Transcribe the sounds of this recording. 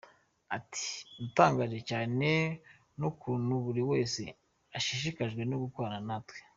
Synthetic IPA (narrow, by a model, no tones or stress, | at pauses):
atʰi̥nutaːŋɡaːʒecaːne̞ | nukuːnhuβuɾiwe̞ːse | aʃiʃ̬ikaʒɡwe̞noɡukoaɾanatwe̥